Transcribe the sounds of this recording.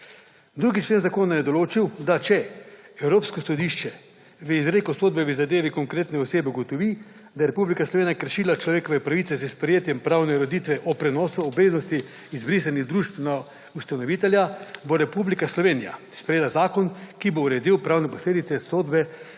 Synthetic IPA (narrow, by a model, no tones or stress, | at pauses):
d̪ɾuːɡit͡ʃleːnzakoːnajɛd̪ɔloːt͡ʃiwd̪at͡ʃɛɛwɾoːpskɔsɔd̪iʃt͡ʃɛ | ʋəizɾeːkɔsoːd̪bɛʋizad̪eːʋikɔŋkɾeːt̪nɛɔseːbɛuɡɔt̪ɔʋi | d̪ajɛɾɛpublikaslɔʋeːnijakəɾʃiːlat͡ʃlɔʋeːkɔʋɛpɾaʋit̪sɛzəspɾɛjeːt̪jɛmpɾawnɛɾod̪iːt̪ʋɛʔɔpɾɛnɔːsuɔbeːznɔst̪iː | zbɾisaniɣd̪ɾuːʃt̪na | ust̪anɔʋiːt̪ɛljaboɾɛpublikaslɔʋeːnija̰spɾɛjeːlazaːkɔnkibouɾɛd̪iwpɾaːwnɛpɔsleːd̪it̪sɛsoːd̪bɛ